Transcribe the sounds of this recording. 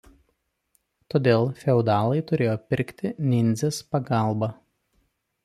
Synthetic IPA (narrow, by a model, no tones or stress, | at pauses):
t̪oːd̪ʲeːlˠfʲɛʊd̪ɑːlˠɐɪt̪ʊɾʲeːjoːpʲɪɾʲkt̪ʲɪnʲɪnʲzʲespɐɡɑˑlˠbɐ